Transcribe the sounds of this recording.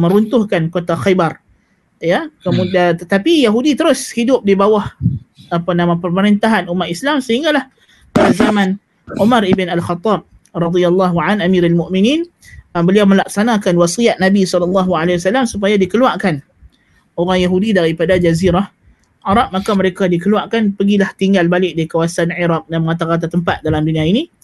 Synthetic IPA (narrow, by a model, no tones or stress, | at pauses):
mə̃ɾunt̪ʊhkankot̪axajbar | jakəmudaət̪apijaɦudit̪əɾʊshidʊp̚dibawahapanãmãpərməɾint̪aɦanumat̪islamsəɦiŋɡalah | padazamãn | ʔumaɾibɪnalxɑt̪ˤːɑb̚ | rˤɑd̪ialːɑɦuʕanamiɾalmʊʔminin | bəliawmə̃lak̚sanakanwasijaʔ̪̚nabisɔləlːɑɦualewasalamsup̬ajadikəluaʔkan | oɾaŋjaɦudidaɾipadad͡ʒaziɾah | ʕaɾɑp̚makaməɾekadikəluaʔkanpəɡilaht̪iŋɡalbalɪk̚dikawasanʕiɾɑp̚damaŋat̪aɣat̪̬at̪əmpat̪̚dalamdunĩaini